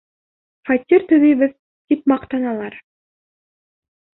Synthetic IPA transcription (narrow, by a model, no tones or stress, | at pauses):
fɑt̪ʲːiɾt̪ɵ̆ðɘ̆jβɘð | t̪ipmɑqt̪ɑnɑlˠɑɾ